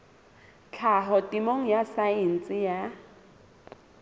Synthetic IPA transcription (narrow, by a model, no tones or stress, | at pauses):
t͡ɬʰaɦɔtʼimoŋ̩jasaɛn̩t͡sʼɪja